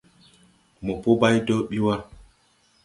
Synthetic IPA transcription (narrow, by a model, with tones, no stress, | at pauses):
mo˨po˦ba˦jdo˦ɓi˦wa˦